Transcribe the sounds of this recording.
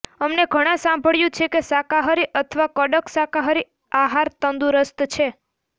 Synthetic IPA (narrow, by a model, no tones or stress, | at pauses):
əmneɡʱəɽ̃ãsãmbʱəɭjũt͡ʃʰekesakaɦəɾiʔət̪ʰəʋakəɖəksakaɦəɾi | aɦaɾt̪ənd̪uɾəst̪t͡ʃʰe